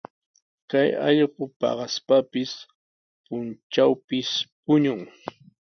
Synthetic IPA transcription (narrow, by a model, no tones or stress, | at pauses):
kajɑ̰ʎɢʊpɑ̰ɢɑspapɪs | pʊnt͡ʃawpɪspʊɲʊŋ